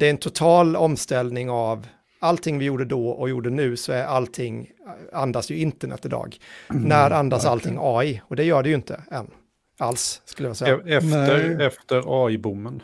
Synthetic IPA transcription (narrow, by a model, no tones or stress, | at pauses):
d̪̥ɛæɾɛnt̪ʰʊt̪ʰɑːlɔmst̪ɛlnɪŋav | alt̪ʰɪŋːvɪjuːɖəd̪ɔːɔjuːɖənʉ̟ːsɔæɾalt̪ʰɪŋː | and̪asjɵɪnt̪əɳɛ̰t̪ːɪd̪ɑ̰ːɡnæɾand̪asalt̪ʰɪŋːɑːɪɔd̪ɛjœːɖɛjʏnt̪ʰəɛnː | alssːkɵljaɑsɛjɛft̪əɾɛft̪əɾɑːɪbʊmːən